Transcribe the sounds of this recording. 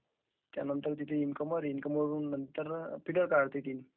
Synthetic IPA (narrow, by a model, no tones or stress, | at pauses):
t̪ja̰nənt̪əɾt̪it̪ʰeinkəməɾinkəməɾunːənt̪əɾpʰiʈəɾkaɽt̪it̪ini